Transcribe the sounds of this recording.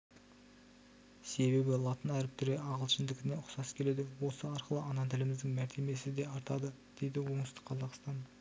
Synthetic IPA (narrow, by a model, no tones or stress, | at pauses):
se̞βe̞bɪlˠɑt̪ənæɾɪp̚t̪ʰʏɾeʔɑʁəlˠʃɪnd̪ɪkʲɪne̞ʊqsɑskʲʰele̞d̪ɪwo̞səɑɾqəlˠəɑnɑt̪ʰɪlɪmɪzd̪ɪŋmæɾt̪ʰe̞me̞sɪd̪e̞ɑɾt̪ɑd̪ə | d̪̥e̞jd̪ɪwo̞ɴəst̪ə̥qʰːɑzɑqst̪ɑn